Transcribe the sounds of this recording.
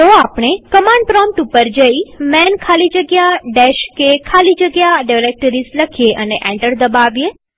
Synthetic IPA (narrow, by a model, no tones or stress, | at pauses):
t̪oapɳ̃ekəmãɳɖ̚pɾɔmʈupəɾd͡ʒəimɛnkʰalid͡ʒəɡjaɖeʃkekʰalid͡ʒəɡjaɖaʋɾek̚ʈəɾisləkʰijeʔəneʔɛ̃ɳʈəɾd̪əbaʋje